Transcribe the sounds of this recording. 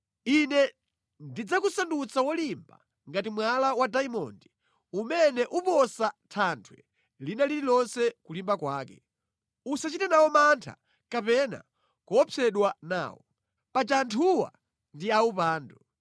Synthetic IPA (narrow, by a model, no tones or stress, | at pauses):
inɛ | ndid͡zakusandut͡sawɔlimba̰ | ŋɡatimwalawadaimɔ̰ndi | umɛnɛʔupɔsatʰantʰwɛ̰ | linalililɔnsɛkulimbakwaːkɛ | usat͡ʃitɛnawɔmantʰa̰ | kapɛna̰ | kɔɔpʰɛɗwana̰ːwɔ | pat͡ʃantʰuwa̰ | ndiaupaːndu